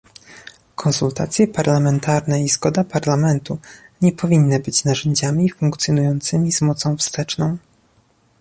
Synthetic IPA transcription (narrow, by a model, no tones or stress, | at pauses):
kʰɔ̃nsult̪a̰t̪sʲjɛpaɾlamɛnt̪aɾnɛizɡɔd̪apaɾlamɛnt̪uɲɛpɔvʲinːɘbɘt͡ɕnaʐɛɲd͡ʑamʲifuŋkt̪sʲjɔnujɔnt̪sɘmʲizmɔt̪sɔ̃w̃fst̪ɛt͡ʂnɔ̃w̃